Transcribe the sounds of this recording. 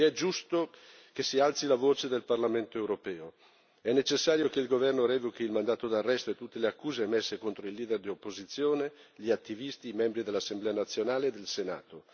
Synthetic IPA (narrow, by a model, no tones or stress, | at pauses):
ɛd͡ʒust̪o | kesialt̪silavoːt͡ʃed̪elparlament̪oewɾopɛːo | ɛnːet͡ʃesːaːɾjokeilɡovɛrnoɾɛvokiilmand̪aːt̪od̪arːɛst̪oet̪ːut̪ːeleakːuːzemesːekont̪ɾoilːiːd̪erd̪iopːozit̪sːjoːne | ʎiat̪ːivist̪imɛmbɾid̪elːasːemblɛːanat̪sːjonaːleːd̪ːelsena̰ːt̪o